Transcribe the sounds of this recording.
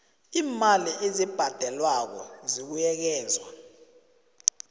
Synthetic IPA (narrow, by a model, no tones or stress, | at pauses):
iːmaliʔezib̥ʱad̥ʱɛlwak̬ɔ̰zik̬ujɛk̬ɛːzwa